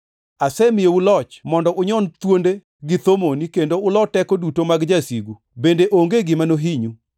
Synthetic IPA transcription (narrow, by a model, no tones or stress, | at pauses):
asɛmɪjoulɔt͡ʃmɔndɔʔʊɲɔnt̪wonde | ɡɪt̪omonikendoʊlɔtɛkodutomaɡd͡ʒasiɡu | bendeʔoŋɡeɡɪmanoɦiɲu